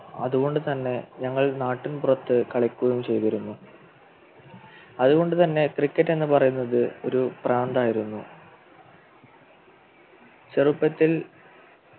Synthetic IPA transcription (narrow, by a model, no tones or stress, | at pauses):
ɐ̰ðuɣo̞ɳɖɨt̪ɐnːe̞ɲɐŋːɐɭnaːʈːinpurɐt̪ːɨkɐɭɐkʲːuɣɐjumt͡ɕe̞jt̪ɐɾunːu | ɐðuɣo̞ɳɖɨt̪ɐnːe̞krikːɐtːe̞nːɨpɐrɐjunːɐðɨo̞̰ɾupraːnd̪aːjiɾunːu | t͡ɕerupːɐt̪ːil